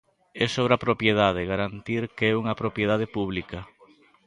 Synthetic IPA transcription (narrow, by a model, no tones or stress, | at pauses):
ɛsoβɾapɾopjeð̞að̞eɣaɾant̪iɾkeɛuŋɐpɾopjeð̞að̞ɪpuβ̞likɐ